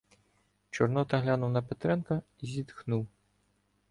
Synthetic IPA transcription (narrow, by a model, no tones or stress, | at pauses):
t͡ʃɔrnɔt̪ɐɦlʲanuwnɐpɛt̪ɾɛnkɐ | izʲid̪xnuw